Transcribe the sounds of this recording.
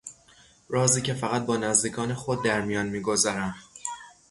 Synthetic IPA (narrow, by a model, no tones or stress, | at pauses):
ɾɒːziːcʰe̞fæɣæt̪̚bɒːnæzd̪iːkʰɒːnexod̪̚ːæɾmijɒːnmiːɡo̞zɒɾæm